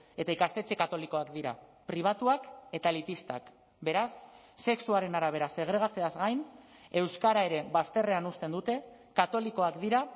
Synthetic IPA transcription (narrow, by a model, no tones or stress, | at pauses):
e̞t̪aikast̪e̞t͡ʃe̞kat̪o̞liko̞akd̪iɾa̰pɾiβ̞at̪uake̞t̪alipist̪a̰k | be̞ɾasː | e̞ksuaɾe̞naɾaβ̞e̞ɾase̞ɣ̞ɾe̞ɣ̞at͡se̞azɣajne̞wskaɾae̞ɾe̞βast̪e̞re̞anust̪e̞nd̪ut̪e̞ | kat̪o̞liko̞akd̪iɾa